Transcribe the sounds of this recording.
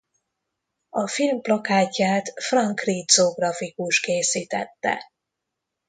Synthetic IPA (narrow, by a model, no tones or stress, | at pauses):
ɒfilmplɒkaːcːaːt̪frɒŋkriːt̪zoɡrɒfikuʃkeːsiːt̪ɛ̰t̪ːɛ̰